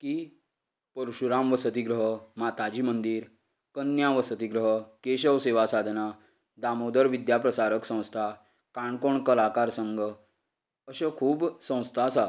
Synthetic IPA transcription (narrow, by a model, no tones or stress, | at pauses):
ki | pəɾuɕuɾamʋəsət̪iɡɾəɦəmat̪ad͡ʑiːmənd̪iːɾ | kənjaʋəsət̪iɡɾəɦəkeɕəʋseʋasad̪ʱna | d̪amod̪əɾʋid̪japɾəsaɾəksə̃w̃st̪ʰa | kaɳkoɳkəlakaɾsəŋɡʱə | əɕəkʰuːbsə̃w̃st̪ʰasa